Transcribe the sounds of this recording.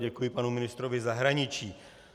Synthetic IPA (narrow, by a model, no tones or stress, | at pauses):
ɟɛkujɪpanumɪnɪst̪ɾovɪzaɦɾaɲɪt͡ʃiː